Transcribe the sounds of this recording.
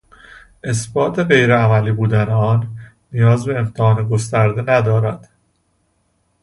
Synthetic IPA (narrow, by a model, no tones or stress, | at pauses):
ʔe̞sbɒːt̪ʰe̞ɢe̞jɾeæmæliːbuːd̪æneɒːnː | ijɒːzbe̞ːmt̪ʰehɒːneɡost̪æɾd̪e̞næd̪ɒːɾæd̪̥